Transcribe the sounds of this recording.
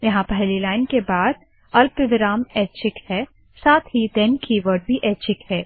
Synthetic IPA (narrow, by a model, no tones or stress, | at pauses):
jɐɦãpɛɦlilaːɪnkebaːd̪̚ | ɐlpɪʋɪɾaːmɛːt͡ʃʰɪkhɛː | saːt̪ʰɦid̪ɛːnkiʋəɾɖbʱiʔɛːt͡ʃɪkhɛː